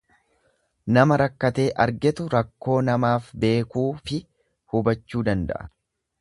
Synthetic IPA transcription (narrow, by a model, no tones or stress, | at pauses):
nɐmɐɾɐkːɐt̪e̞ːʔɐɾɡɛt̪ʊɾɐkːo̞ːnɐmaːfbe̞ːkuːfɪ | hʊbɐt͡ʃːuːd̪ɐnd̪ɐ̰ʔɐ̥̰